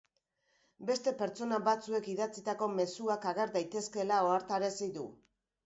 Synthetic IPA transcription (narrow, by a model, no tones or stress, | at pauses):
be̞st̪e̞pe̞ɾt͡ʃt͡so̞naβat͡sue̞kiðat͡sit̪ako̞me̞suakaɣ̞e̞ɾðajt̪e̞ske̞lao̞aɾt̪aɾesid̪u